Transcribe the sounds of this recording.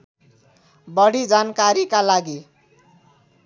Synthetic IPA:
bʌɽid͡zankaɾikalaɡi

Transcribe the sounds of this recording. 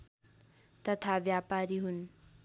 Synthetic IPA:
t̪ʌt̪ʰabjapaɾiɦun

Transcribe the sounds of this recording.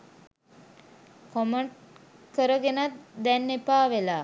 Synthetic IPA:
koməɳʈ | kəɾəɡenat̪d̪ɛnːepaːʋelaː

